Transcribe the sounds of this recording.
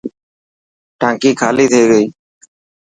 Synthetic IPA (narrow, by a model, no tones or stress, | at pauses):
ʈaŋkikʰalit̪ʰejɡoj